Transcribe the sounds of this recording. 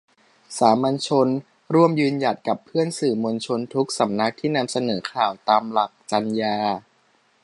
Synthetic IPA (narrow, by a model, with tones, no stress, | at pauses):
saː˩˦ma˧nt͡ɕʰo˧n | ɾu˥˩əmjɯː˧nja˨˩t̪̚ka˨˩pʰːɯ˥˩ənsɯː˨˩mo˧nt͡ɕʰo˧nt̪ʰu˦˥k̚sa˩˦mna˦˥k̚t̪ʰiː˥˩na˧msa˧nɤː˩˦kʰaː˨˩wt̪aː˧mla˨˩k̚t͡ɕa˧njaː˧